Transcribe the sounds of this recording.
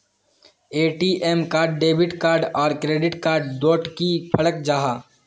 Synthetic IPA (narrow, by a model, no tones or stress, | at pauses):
eːʈiʔeːmkaːɾɖːeːbɪʈkaːɾɖɔːɾkɾeːɖɪʈkaːɾɖd̪oːʈkipʰɐɽək̚d͡ʒaːɦaː